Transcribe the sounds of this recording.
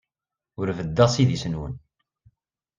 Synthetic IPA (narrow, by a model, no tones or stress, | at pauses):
ʊɾvəd̪ːæsiðisənwə̰n